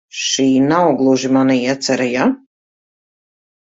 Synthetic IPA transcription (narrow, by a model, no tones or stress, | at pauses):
ʃiːnawɡlˠuʒimaniiɛt̪sɛɾaja